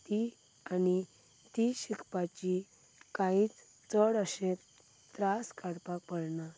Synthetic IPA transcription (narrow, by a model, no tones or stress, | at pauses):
t̪i | ani | t̪iɕikpat͡ɕi | kaĩt͡s | t͡səɽəɕẽt̪ː | ɾaskaɽpak̚pəɽna